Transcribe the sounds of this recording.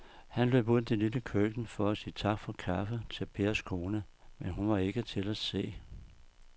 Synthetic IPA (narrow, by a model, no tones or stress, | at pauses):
hænlø̰ːb̥uð̰nˠd̥eliləkʰøɡ̥n̩fɒ̽æsiːət͡sʰɑ̈ɡ̥fɒ̽kʰɑfət͡sʰe̝lpʰe̝ɐskʰo̝ːnə | menɦunʋɑ̈e̝ɡ̥ət͡sʰe̝læse̝̰ː